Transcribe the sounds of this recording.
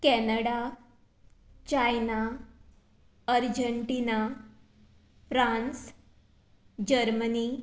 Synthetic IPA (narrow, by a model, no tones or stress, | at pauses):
kɛnəɽa | t͡ɕajna | əɾd͡ʑəɳʈina | fɾans | d͡ʑəɾməni